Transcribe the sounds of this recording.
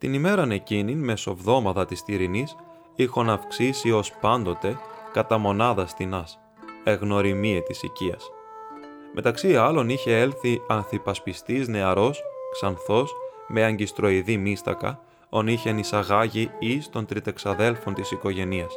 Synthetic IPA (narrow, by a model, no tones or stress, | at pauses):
t̪inime̞ɾɐne̞cininme̞so̞vðo̞mɐt̪ɐt̪ist̪iɾinis | ixonɐfksisio̞spɐnd̪o̞t̪e̞kɐt̪ɐmo̞nɐðɐst̪inɐs | e̞ɣno̞ɾimiet̪isḭciɐ̰s | mʔe̞t̪ɐksiɐlo̞niçe̞e̞lθiɐnθipɐspist̪izne̞ɐɾo̞sksɐnθo̞s | me̞ɐɲɟist̪ɾo̞iðimist̪ɐ̰kɐ̰ | o̞niçe̞nisɐɣɐʝiist̪o̞nt̪ɾit̪e̞ksɐðe̞lfo̞nt̪isiko̞ʝe̞niɐs